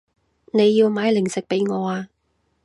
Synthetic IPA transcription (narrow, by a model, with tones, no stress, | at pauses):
ne˨˧jːiː˧wmaː˨˧˥jlɪ˨˩ŋsɪ˨k̚pe˨˥jŋɔː˨˧aː˧